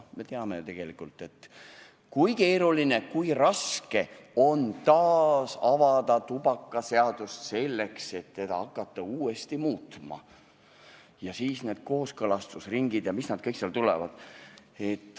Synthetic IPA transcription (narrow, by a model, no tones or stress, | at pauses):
me̞t̪e̞ɑme̞t̪e̞ɡ̥e̞likult̪ːˑe̞t̪ | kujke̞ːɾuline̞kujrɑske̞o̞nt̪ɑːsɑvɑd̪ɑt̪ubɑkːɑse̞ɑd̪̥ust̪se̞lːe̞kse̞t̪ːe̞d̪̥ɑ̰ɑkːˑɑt̪ˑːɑuːest̪imuːt̪mɑ̰ | jɑsiːsne̞ːd̪̥̚ko̞ːskɤlɑst̪usriŋɡ̥id̪̥jɑmisnɑd̪̥̚kɤjkseɑlt̪ulḛvɑ̰d̪̥ | e̞t̪ːˑ